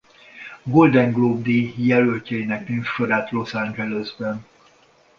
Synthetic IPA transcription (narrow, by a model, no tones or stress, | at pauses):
ɡo̞ld̪ɛŋɡlob̚d̪ejɛlølcɛinɛkniɱfʃoɾaːt̪lo̞sand͡ʒɛløzbɛn